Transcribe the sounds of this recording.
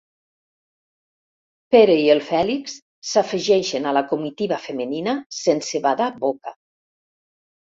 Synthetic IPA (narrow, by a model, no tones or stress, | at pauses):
peɾeielˠfɛliksː | afəʒɛʃənalakumit̪iβafəməninasensəβaðaboka